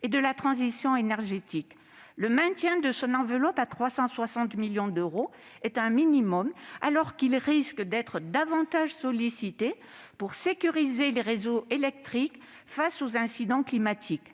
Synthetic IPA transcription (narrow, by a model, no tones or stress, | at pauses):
ed̪əlat̪χɑ̃zisjɔ̃enɛʁʒet̪ik | ləmɛ̃t̪jɛ̃d̪əsɔ̃nɑ̃vəlɔpat̪χwasɑ̃swasɑ̃t̪miljɔ̃d̪øʁoɛt̪ɛ̃minimɔma̰lɔʁkilʁiskd̪ɛt̪χəd̪avɑ̃t̪aʒsɔlisit̪e | puʁsekʲyʁizeleʁezoelɛk̚t̪χik | fasozɛ̃sid̪ɑ̃klimat̪ʰik